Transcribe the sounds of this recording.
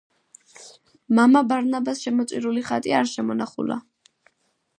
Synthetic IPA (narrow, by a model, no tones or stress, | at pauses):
mamabaɾnabasʃɛmɔt̪sʼiɾuliχat̪ʼiaɾʃɛmɔnaχṵla̰